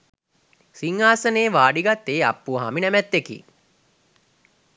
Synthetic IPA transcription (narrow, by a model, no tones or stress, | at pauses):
siŋhaːsəneːʋaːɖiɡat̪ːeːa̰pːuɦa̰minæmæt̪ːekḭː